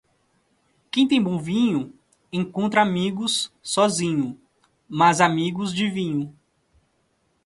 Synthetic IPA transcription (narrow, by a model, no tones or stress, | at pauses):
kẽj̃t̪ẽj̃bõvĩɲʊ | ẽkõnt̪ɾɐamiɡʊsːɔzĩɲʊ | mazamiɡʊzd͡ʒɪvĩɲʊ